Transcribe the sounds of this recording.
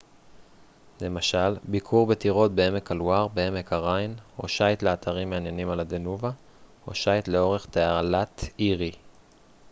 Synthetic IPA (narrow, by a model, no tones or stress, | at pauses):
le̞maʃalbikʰuʁbet̪iʁo̞t̪̚beeme̞kaluaʁbee̞me̞kaʁajnho̞̰ʃajt̪leat̪ʰaʁimːeanjenimalad̪e̞nuva | o̞̰ʃajt̪le̞o̞ʁe̞χt̪ealat̪iʁi